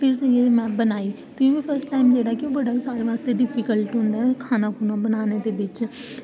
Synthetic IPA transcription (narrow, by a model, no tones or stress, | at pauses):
pʰɪɾsəiemɛ̃ːbənaːiː | t̪ʊĩːʋiːpʰəɾsʈʈaːɪmd͡ʒeːɽaːkɪõːbəɖaːsaːɾeʋaːst̪eːɖɪpʰikəlʈɦʊ̃nd̪aːɦɛkʰaːnãːkuːnãːbənaːneːd̪eːʋɪt͡ʃ